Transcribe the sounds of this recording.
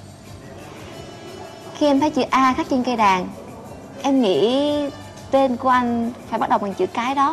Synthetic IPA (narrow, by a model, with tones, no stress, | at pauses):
xi˧ɛ˧mt̪ʰə˨˦jt͡ɕɨ̰˧˨ʔaː˧xaː˦˥k̚t͡ɕi˧nkə˧jɗaː˨˩ŋ | ʔɛ˧mŋḭ˧˥ | t̪e˧nku˧ʔa˧jŋ̟faː˧˩jɓa˦˥t̚ɗə˨˩wmɔ˨˩n̚t͡ɕɨ̰˧˨kaː˨˦jɗɔ˨˦